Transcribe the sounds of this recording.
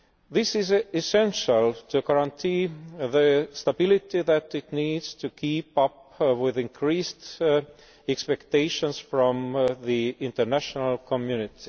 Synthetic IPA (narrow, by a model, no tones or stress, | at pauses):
ðɪsɪzɪsɛ̃nʃəlˠt̪ʰuɡaɹãnt̪ʰiːðəst̪abɪlɪtiðæt̪ɪt̪niːd̪z̥tʰukʰiːpʌpwɪðɪ̃nkʰɹiːst | ɛkspɛkt̪eɪʃə̃nsfɹɔ̃mðiɪ̃nt̪ə˞næʃənəlkʰɔmjʉnɪt̪ʰi